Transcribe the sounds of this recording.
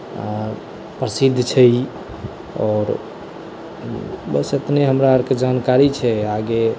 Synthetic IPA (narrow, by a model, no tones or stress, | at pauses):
a̰ | pɾəsid̪ʱːt͡ʃʰɛj | ɔːɾ | bəset̪neɦəmɾaəɾked͡ʒankaɾit͡ʃʰɛaɡe